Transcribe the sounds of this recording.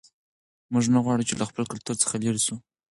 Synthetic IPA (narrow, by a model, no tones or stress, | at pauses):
muʐnaɣwɑɽut͡ʃelaxpəlkalt̪uɾt͡sə̥xaleɾisu